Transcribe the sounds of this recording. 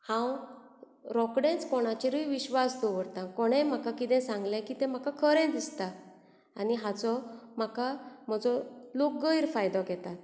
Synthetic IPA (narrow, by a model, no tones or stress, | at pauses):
hãw | ɾɔkɽẽt͡skɔɽ̃at͡ɕiɾəiʋiɕʋasd̪oʋəɾt̪ãkɔɽ̃ɛm̤akakit̪ɛ̃sãŋɡlakiːt̪ɛ̃m̤akakʰəɾɛ̃d̪ist̪a | aniɦat͡sɔm̤akam̤əd͡zɔlok̚ɡəiɾfajd̪ɔkɛt̪at̪̚